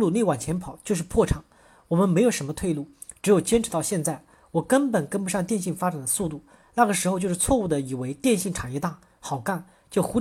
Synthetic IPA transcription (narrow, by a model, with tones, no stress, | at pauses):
lu˥˧ne˥˩ɪwa˨˩nt͡ɕʰjɛ˧˥npʰɑ˨˩˦ʊt͡ɕjo˥˧ʊʂ̬ɻ̩˥˧pʰwɔ˥˩ʈ͡ʂʰɑ˨˩˦ŋ | wɔ˨˩mə˦nme˧˥ɪjo˨˩ʊʂə˧˥mə˧t̪ʰwe˥˧ɪlu˥˩ | ʈ͡ʂɻ̩˧˥jo˨˩ʊt͡ɕjɛ˥nʈ͡ʂʰɻ̩˧˥t̪ɑ˥˧ʊɕjɛ˥˧nt͡sa˥˩ɪ | wɔ˨˩kə˥npə˨˩nkə˥npu˧˥ɕjɑ˥˧ŋt̪jɛ˥˧nɕi˥˩ŋfa˥ʈ͡ʂa˨˩nd̪ə˦su˥˧t̪u˥˩ | na˥˩ɡə˩ʂɻ̩˧˥xo˧t͡ɕjo˥˧ʊʂɻ̩˥˧t͡sʰwɔ˥˧u˥˩d̪ə˩i˨˩we˧˥ɪt̪jɛ˥˧nɕi˥˩ŋʈ͡ʂʰa˨˩njɛ˥˧t̪a˥˩ | xɑ˨˩ʊka˥˩n | t͡ɕjo˥˩ʊxu˧˥